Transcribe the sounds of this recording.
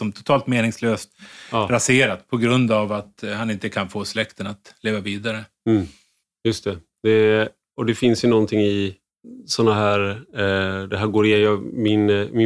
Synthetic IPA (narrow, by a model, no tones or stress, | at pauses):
sɔmt̪ʰʊ̥t̪ʰɑːlt̪meːnɪŋsløːst̪ɾaseːɾat̪pʰɔɡɾɵnd̪avat̪hanɪnt̪əkʰanfoːslɛkt̪ənat̪leːvaviːd̪aɾə | jɵst̪ɛ | d̪̥ɛ | ɔd̪ɛfɪnsjənɔnt̪ʰɪŋːɪ | sɔnːaɦæːɾ | d̪ɛɦæːɾɡoːɾɪjɛjɑmɪnmɪ